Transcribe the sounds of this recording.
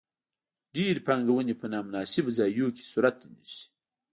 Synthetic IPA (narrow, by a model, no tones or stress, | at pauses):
ɖeɾpaŋɡawənepənɑmʊnɑsɪbzɑjoke̥suɾat̪nisi̥